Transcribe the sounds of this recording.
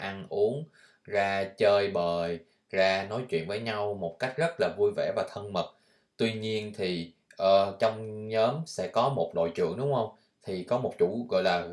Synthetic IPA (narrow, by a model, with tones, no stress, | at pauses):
ʔa˧nʔu˨˦əŋ | zaː˧t͡ɕəː˧jɓəː˨˩j | zaː˧nɔ˨˦jt͡ɕwḭ˧ənvəː˨˦jɲa˧wmo˨˩t̚ka˦˥jk̟̚zə˦˥t̚laː˨˩vu˧jvɛ̰˧˩vaː˨˩t̪ʰə˧nmə˨˩t̚ | t̪wi˧ɲi˧ənt̪ʰi˨˩ | ʔəː˨˩t͡ɕɔ˧wŋ͡mɲəː˨˦msɛ̰˧˥kɔ˨˦mo˨˩t̚ɗo̰˧˨jt͡ɕɨ̰˧˨əŋɗʊ˨˦ŋ͡mhə˧wŋ͡m | t̪ʰi˨˩kɔ˨˦mo˨˩t̚t͡ɕṵ˧˩ɣɔ̰˧˨jlaː˨˩